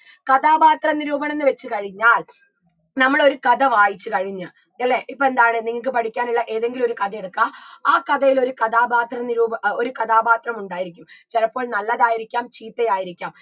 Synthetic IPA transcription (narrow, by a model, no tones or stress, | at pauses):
kɐðaːbaːt̪rɐniɾuːbɐɳe̞nːɨʋet͡ɕːɨkɐɻiɲːaːl | nɐmːɐɭo̞ɾukɐðɐʋaːjit͡ɕːɨkɐɻiɲːɨ | ɐlːeʔipːoend̪aːɳɨniŋːɐɭkɨpɐʈʰikʲːaːniɭːɐʔe̞ːðe̞ŋɡilmo̞ɾukɐðɐjeɽukːaːaːkɐðɐjilo̞ɾukɐðaːbaːt̪rɐniɾuːbɐoɾukɐðaːbaːt̪rɐmuɳɖaːjiɾikʲːumt͡ɕelɐpːo̞ːɭnɐlːɐðaːjiɾikʲːaːmt͡ɕiːt̪ːɐjaːjiɾikʲːaːm